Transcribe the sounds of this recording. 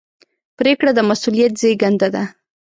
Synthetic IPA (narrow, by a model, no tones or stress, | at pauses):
pɾekɽad̪əmasulijat̪̚zejɡand̪ad̪a